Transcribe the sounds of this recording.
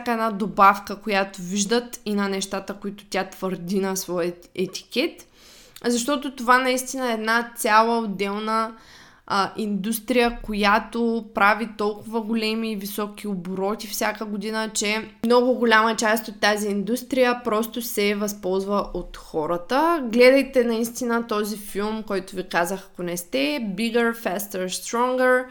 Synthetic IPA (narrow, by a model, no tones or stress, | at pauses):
kɛdnad̪obafkəkojat̪oviʒd̪ət̪inɐnɛʃt̪at̪əkʊit̪ʊ̥t̪ʲat̪v̥əɾd̪inɐsvɔjət̪ɛt̪i̥kɛt̪ | zɐʃ̬t̪ɔt̪ot̪ovanɐist̪inəɛɛd̪nat̪sʲalˠəod̪ːɛlˠnə | ʔind̪ust̪ɾijəkojat̪opɾavit̪ɔlˠkʊvəɡolɛmiːvisɔkioboɾɔt̪ifsʲjakəɡʊd̪inət͡ʃɛmnɔɡʊɡʊlʲamɐt͡ʃast̪ot̪ːaziːnd̪ust̪ɾijəpɾɔst̪ʊsɛvɐspɔlˠzvəʔot̪xɔɾət̪əɡlɛd̪ɐjt̪ɛnɐist̪inət̪ɔzifilˠmkɔjt̪ʊvikazəxɐkonɛst̪ɛbiɡəɾfɛst̪əɾst̪ɾɔŋɡəɾ